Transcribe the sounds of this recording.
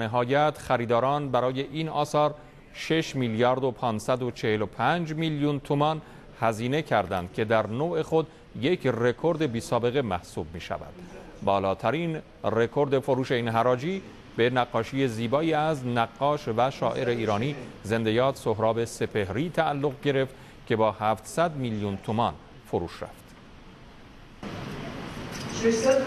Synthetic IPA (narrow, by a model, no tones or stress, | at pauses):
neɦɒːjæt̪ʰχæɾiːd̪ɒːɾɒːnbæɾɒːje̞ʔiːnɒ̰ːsɒːɾ | ʃe̞ʃmiljɒɾd̪opʰɒːnsæd̪o̞t͡ʃʰe̞he̞lo̞pʰænd͡ʒmiljunt̪ʰumɒn | hæziːne̞cʰæɾd̪æ̰nd̪̥̚cʰe̞d̪æɾnoːʔe̞xo̞d̪ | je̞cʰre̞kʰo̞ɾd̪e̞biːsɒːbe̞ɣe̞mæhsuːb̚mḭːʃæ̰væ̰d̪̥ | bɒːlɒːt̪ʰæɾiːn | re̞kʰo̞ɾd̪e̞fo̞ɾuːʃe̞iːnɦæɾɒːd͡ʒiː | be̞næɡːɒːʃije̞ziːbɒːiːæznæɡːɒːʃvæʃɒ̰ːʔe̞ɾe̞iːɾɒːniːze̞nd̪e̞jɒːt̪soɦɾɒːbe̞se̞pʰe̞hɾiːt̪ʰæːlːo̞ɣɟe̞ɾe̞ft̪ | cʰe̞bɒːhæːft̪sæd̪miljunt̪ʰomɒn | foɾuːʃræ̰ft̪